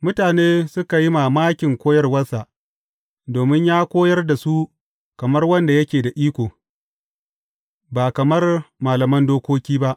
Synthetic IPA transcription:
mʊ˦taː˨neː˦sʊ˦ka˨ji˦maː˨maː˦kʲɪ˨ŋkʷoː˦jɐ˦rwɐ˦sa˨ʔ | doː˨mɪ˦ɲjaː˦kʷoː˦jɐ˦rda˨su˦ | kɐ˨mɐ˦rwɐ˦nda˨jɐ˦kʲeː˨da˨ʔiː˦kʷoː˨ | baː˨kɐ˨mɐ˦rmaː˨lɐ˨mɐ˦ndoː˦kʷoː˦kʲiː˦ba˦ʔ

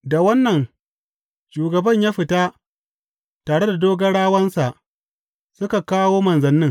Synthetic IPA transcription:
da˨wɐ˦nːɐ˨ŋ | ʃuː˨ɡɐ˨bɐ˦˨ɲjaː˦ɸɪ˨taː˦ | taː˨ɽe˦da˨doː˦ɡɐ˦ɽaː˦wɐ˦nsa˨ʔ | sʊ˦ka˨kaː˦woː˦mɐ˨nzɐ˨nːɪ˦ŋ

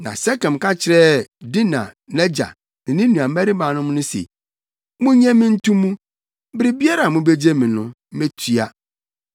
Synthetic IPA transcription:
nã˨sɛ˦kɛ̃˨m˨kʰa˦t͡ɕʰɪ˨ɾɛ˦˨di˦nã̰˨nɛ˦d͡ʑa̰˨ | nɪ̃˨nɪ̃˦nũ˨a˨m˦ɛ˦ɾi˦bã˨nʊ̃˦m˦nʊ̃˦sḛ˨ | mʊ̃˦ɲɛ̃˦mɪ̃˦n̩˦tʰũ˦mũ˦ | bɪ˦ɾɪ˦bi˦a˦ɾa˨mʊ̃˦be˦d͡ʑe˦mĩ˨nʊ̃˦ | me˦tʰɥa˦

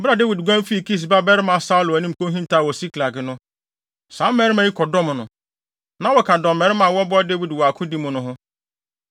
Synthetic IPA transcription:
m̩˦bɾa˨de˦wi˨dɡʷã˦m˦fi˦˨kʰi˦s̬ba˦bɛ˦ɾɪ˦mã˨sa˦ʊ˦lʊ˨æ˨nĩ˦m̩˨kʰõ˦ɦĩ˦n˦tʰa˦˨wɔ˨si˦kʰla˨ɡɪ˨nʊ̃˦ | sã˨˦m̩˦mɛ˦ɾɪ˦mã˨˦i˦kʰɔ˨dɔ̃˦m˨nʊ̃˨ | nã˨˦wɔ˨kʰa˨dɔ̃˨m˨mɛ˨ɾɪ˦mã˨wɔ˦bɔ˦de˦wi˨dwɔ˨a˨kʰʊ̃˦di˦mʊ̃˨nʊ̃˦ɦʊ̃˦

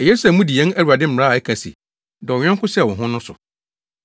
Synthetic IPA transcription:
ɛ˨je˦sæ˨mũ˦di˨ɛ̃˦næ˦ɾa˨dɪ˦m̩˦m˨ɾa˦a˨ɛ˦kʰã˨sḭ˨ | dɔ˨ɔ˨ɲᶣ˦ɛ̃˦ŋ˦kʰʊ̃˦sɛ˦˨wɔ̃˨ɦʊ̃˦nʊ̃˦sʊ̰˨

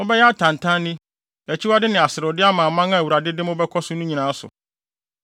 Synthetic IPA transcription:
ʊ̃˦bɛ˦jɛ˦a˦tʰã˨n˨tʰã˦nɪ̃˦ | æ˨t͡ɕʰi˦wa˦dɪ˦nɪ̃˨a˨sɪ˨ɾʊ˨dɪ˦a˦mãː˨mã˦ŋã˦æ˨wu˨ɾa˨dɪ˦dɪ˦mʊ̃˦bɛ˦kʰɔ˦sʊ˦nũ˦ɲĩ˨nãː˨˦sʊ̰˨

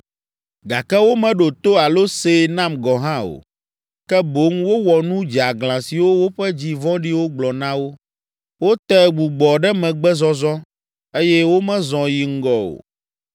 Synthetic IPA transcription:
ɡa˨kɛ˦wo˦mɛ̃˨ɖo˨t̪o˦a˨lo˦se˨nã˦mɡɔ˨ɦã˦o̰˨ | kɛ˦bo˦ŋwo˦wɔ˨nũ˦d͡ʒi˨a˨ɡlã˨si˨wo˦wo˦ɸɛ˦d͡ʑi˨vɔ̃˦ɖi˦wo˦ɡ͡blɔ˨nã˦wo˦ | wo˦t̪ɛ˦ɡ͡bu˨ɡ͡bɔ˨ɖɛ˦mɛ̃˨ɡ͡bɛ˦zɔ˦zɔ˦ | e˦jɛ˦wo˦mɛ̃˦zɔ̃˨ji˨ŋ̩˦ɡɔ˨o̰˨

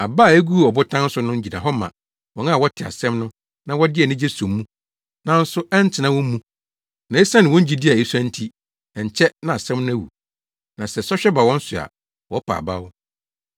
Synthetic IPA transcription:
a˨ba˦˨e˦ɡu˦u˦ɔ˨bʊ˦tʰã˦n̩˦sʊ˦nʊ̃˦ɲ̩˦d͡ʑi˨da̰˨ɦɔ˦mã̰˨ | wɔ̃˨n˦a˦˨wɔ˦tʰɪ˨a̰˨sɛ̃˦mnʊ̃˦ | nã˦wɔ˦dɪ˦ɛ˨nɪ̃˦d͡ʑe˦sɔ̃˨mːũ˦ | nã˨n̩˦sʊ˦ɛ˦n˦tʰɪ˨nã˦wɔ̃˦m˦mũ˦ | nã˨˦e˦sã˦nɪ̃˨wɔ̃˦ɲ̩˦d͡ʑi˦dɪ˦a˨e˦su˦ã˦n̩˦tʰi˦ | ɛ˨ɲ̩˨t͡ɕʰɛ˦nã˨a˨sɛ̃˦mnʊ̃˦æ˦˨wṵ˨ | nã˨sɛ˨sɔ˦ɕᶣɛ˦ba˨wɔ̃˦n̩˦sʊ˨a̰˨ | wɔ˨˦pʰa̰˨ba̰˦wʊ˦

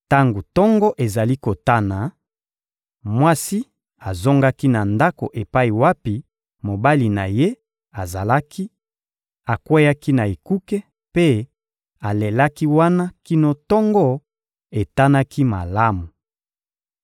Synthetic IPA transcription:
ta˦ŋɡo˨tɔ˦ŋɡɔ˦ʔe˨za˨li˦ko˨ta˦na˨ | mwa˦si˦ | a˨zo˦ŋɡa˦ki˦na˨nda˦ko̰˨ʔe˨pa˦i˨wa˦pi˨ | mo˨ba˦li˨na˨je˦ | a˨za˨la˦ki˦ | a˨kwe˦ja˦ki˦na˨e˨ku˦kɛ˦ | pe˦ | a˨le˨la˦ki˦wa˦na˦ki˦no˦tɔ˦ŋɡɔ˦ | e˨ta˦na˦ki˦ma̰˨la˦mu˨

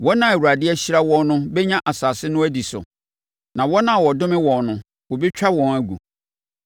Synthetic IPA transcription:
wɔ˦nã˨æ˨wu˨ɾa˨dɪ˦ɛ˦ɕi˦ɾa˦wɔ̃˦nnʊ̃˦bɛ˦ɲã˦ʔa˨saː˨sɪ˦nʊ̃˦æ˦di˨sʊ̰˨ | nã˨wɔ˦nã˨wɔ˨dʊ̃˦mɪ̃˦wɔ̃˨nnʊ̃˨ | wo˨bi˦t͡ɕᶣa˦wɔ̃˨næ˨ɡṵ˨

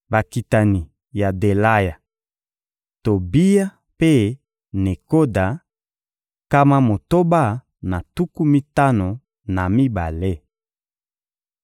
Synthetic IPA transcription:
ba˨ki˨ta˨ni˨ | ja˨de˨la˦ja˨ | to˨bi˦ja˦ | pe˦ | ne˨ko˦da˨ | ka˦ma˦mo˨to˦ba˦ | na˨tu˦ku˦mi˦ta˦no˨ | na˨mi˦ba˨le˦

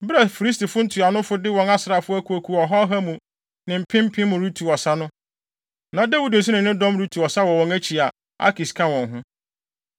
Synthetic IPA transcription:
bɾa˨fi˨ɾi˦s̬ti˨fʊ˦n̩˦tʰu˨a˨nʊ̃˦fʊ˦dɪ˦wɔ̃˨ŋa˦sɾa˨fʊ˦æ˦kʰu˨æ˨kʰu˨ɔ˨ɦɔ˦ɦa˦mũ˨ | nɪ̃˨m̩˨pʰɪ̃˦m̩˦pʰɪ̃˦mʊ̃˨ɾu˦tʰu˨ɔ˨sa˦nʊ̃˦ | nã˨da˦wu˦dn̩˨s̬ʊ˦nɪ̃˨nɪ̃˦dɔ̃˦mɾu˦tʰu˨ɔ˨sa˦wɔ˨wɔ̃˨ŋæ˦t͡ɕʰi˨a˨ | a̰˦kʰi˨skʰã˦wɔ̃˨ŋɦʊ̃˦

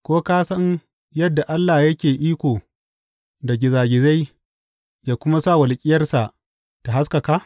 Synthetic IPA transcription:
kʷoː˦kaː˦sɐ˦ɲ | jɐ˦dːa˨ʔa˦lːa˨jɐ˦kʲeː˨ʔiː˦kʷoː˨ | da˨ɡʲɪ˨zaː˨ɡʲɪ˨za˦j | jaː˦kʷʊ˦ma˦sa˦˨wɐ˨lkʲʼɪ˦jɐ˦rsa˨ʔ | ta˨ɦa˦ska˨kaː˦

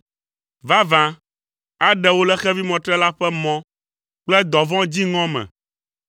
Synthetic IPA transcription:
va˦vã˨ | a˦ɖɛ˨˦wo˦lɛ˦xɛ˦vi˦mɔ̃˨t̪ɾɛ˦la˦ɸɛ˦mɔ̃˦ | k͡plɛ˦d̪ɔ̃˨vɔ̃˦d͡ʑi˦ŋɔ̃˦mɛ̰̃˨

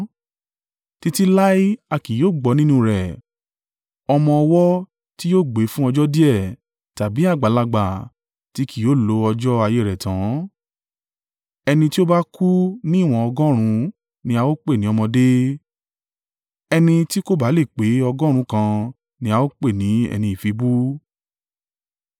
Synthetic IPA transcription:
ti˦ti˦la˦i˦a˧ki˨joː˦˨ɡ͡bɔ˨˦nĩ˦nũ˦ɾɛ˨ | ɔ˧mɔ̃˧ɔ˧wɔ˦ | ti˦jo˦˨ɡ͡be˨˦fũ˦ɔ˧d͡ʒɔ˦di˦ɛ˦˨ | ta˨bi˨˦a˦˨ɡ͡ba˨˦la˧ɡ͡ba˨ | ti˦ki˨jo˨˦˨lo˨˦ɔ˧d͡ʒɔ˦a˧je˨˦˨ɾɛ˨tã˨˦ | ɛ˧nĩ˧ti˦o˦ba˦ku˦nĩ˦˨w̃ɔ̃˧ɔ˧ɡɔ̃˦ɾ̃ũ˧ | nĩ˧˦a˧wo˦k͡pe˦˨nĩ˦ɔ˧mɔ̃˧de˦ | ɛ˧nĩ˧ti˦ko˦˨ba˨˦le˦˨k͡pe˨˦ɔ˧ɡɔ̃˦ɾ̃ũ˨˦kã˧ | nĩ˧a˧wo˦k͡pe˦˨nĩ˨˦ɛ̰˧nĩ˧i˨fi˨˦bu˦

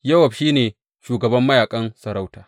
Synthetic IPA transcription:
jɐ˦wɐ˨ɸʃiː˦neː˨ | ʃuː˨ɡɐ˨bɐ˦mːɐ˦jaː˨kʼɐ˦nsɐ˨ɾa˦wtaː˨

